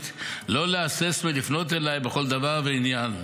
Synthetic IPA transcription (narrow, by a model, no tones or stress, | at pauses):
t̪lo̞leasesmilifno̞t̪elajbeχo̞ld̪avaʁveinjan